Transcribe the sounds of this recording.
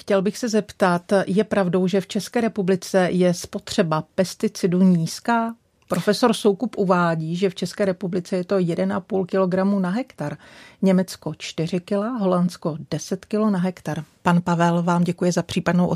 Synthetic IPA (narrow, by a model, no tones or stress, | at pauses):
xcɛlbɪxsɛzɛpt̪at̪jɛpɾavdo̞wʒɛft͡ʃɛskɛːɾɛpublɪt͡sɛjɛspo̞t̪r̝̥ɛbapɛst̪ɪt͡sɪduɲiːskaː | pɾo̞fɛso̞ɾso̞wkupʔuvaːɟiːʒɛft͡ʃɛskɛːɾɛpublɪt͡sɛjɛt̪o̞jɛdɛnʔapuːlkɪlo̞ɡɾamunaɦɛkt̪aɾɲɛmɛt͡sko̞t͡ʃt̪ɪr̝ɪkɪlaɦo̞lant͡sko̞d̥ɛsɛt̪kɪlonaɦɛkt̪aɾpanpavɛlvaːmɟɛkujɛzapr̝̥iːpadnowʔo